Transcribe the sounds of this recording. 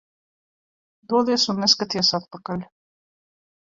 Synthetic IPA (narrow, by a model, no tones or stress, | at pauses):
d̪uɔd̪iɛsunːɛskat̪ijasat̪̚pakalʲ